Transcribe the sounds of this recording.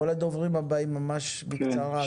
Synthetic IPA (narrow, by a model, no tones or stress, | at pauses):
olad̪ovʁimabaimamaʃbikt͡saʁa